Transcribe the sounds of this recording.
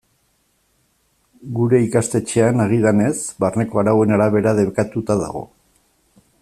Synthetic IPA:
ɡuɾe̞ikast̪e̞t͡ʃe̞anaɣ̞iðane̞sbarne̞ko̞aɾawe̞naɾaβ̞e̞ɾað̞e̞βekat̪ut̪aða̰ɣ̞o̞̰

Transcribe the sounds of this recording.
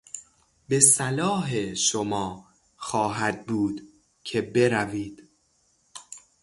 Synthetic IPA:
be̞sælɒːɦeʃomɒː | xɒːɦæd̪̚buːd̪ | cʰe̞be̞ɾæviːd̪̥

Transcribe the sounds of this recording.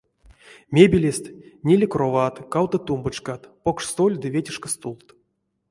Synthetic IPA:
mʲebʲilʲesʲt̪ʲnʲelʲikrovat̪kawt̪ət̪umbɨt͡ʃkat̪pokʂst̪olʲd̪ɨvʲetʲɪʂkəst̪ulˠt̪

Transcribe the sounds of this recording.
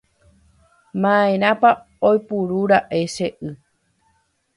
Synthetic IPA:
mãẽɾ̃ãpa | ojpuɾuɾaʔe̞ʃeʔɨ

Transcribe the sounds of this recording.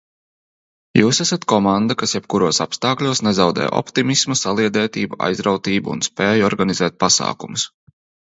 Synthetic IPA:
juːsæsat̪kɔmand̪akasjɛb̚kuɾuɔsa̰pst̪aːklʲuɔsnɛzawd̪ɛ̰ːjɔ̰pt̪imismusalˠiɛd̪ɛːt̪iːbua̰jzɾawt̪iːbuṵnspɛːjɔɾɡanizɛːt̪̚pasa̰ːkumus

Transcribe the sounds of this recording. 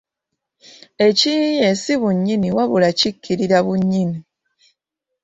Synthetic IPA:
e̞cijesiβuɲːiniwaβulacikːiɾiɾaβuɲːini

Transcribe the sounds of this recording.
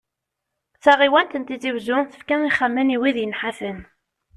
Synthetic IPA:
t͡sæʁiwænt̪ənt̪it͡sivzʊθə̥fkæiχəmːəniwiðjənħafən

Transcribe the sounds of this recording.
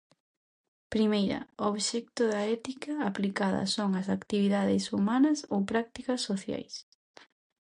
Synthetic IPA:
pɾimejɾɐ̰oβʃɛk̚t̪ʊðɐɛt̪ikɐːplikaðɐ̰soŋɐsakt̪iβiðaðɪsumanɐsowpɾak̚t̪ikɐsːoθja̰js

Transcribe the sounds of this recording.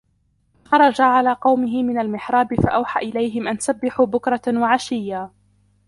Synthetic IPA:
xɑɾˤɑd͡ʒaʕalaːqɑwmɪɦɪmɪnalmɪħɾˤɑːbɪfaʔawħaːʔɪlajɦɪmʔansabːɪħuːbʊkɾˤɑwaʕaʃɪjːa

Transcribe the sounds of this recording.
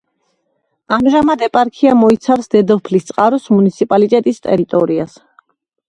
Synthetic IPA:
amʒamad̪ɛpʼaɾkʰiamɔit̪sʰafsd̪ɛd̪ɛpʰlist̪sʼqʼaɾɔsmunit̪sʰipʼalit̪ʼɛt̪ʼist̪ʼɛ̰ɾit̪ʼɔɾias

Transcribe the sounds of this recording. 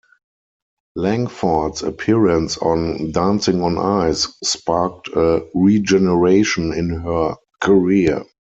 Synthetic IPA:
læ̃ŋfɔtsə̰pʰiɹə̃nsɔ̰̃ndãnsɪ̃ŋɔ̃nʔa̰ɪsːpak̚tʰəɹid͡ʒɛnəɹeɪʃɔ̃nɪ̃nɦɜ˞ | kʰəɹi

